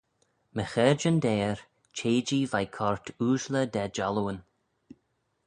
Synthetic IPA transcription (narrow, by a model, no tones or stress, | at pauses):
məxɛd͡ʒənd̪ɛːɹ | t͡ʃʰeːd͡ʒivajkʰɔɹt̪ʰuːʃləd̪ɛd͡ʒaluwən